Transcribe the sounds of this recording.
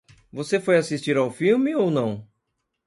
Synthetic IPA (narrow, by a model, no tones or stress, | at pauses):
vosefojasist͡ʃiɾawfiwmɪownɐ̃w̃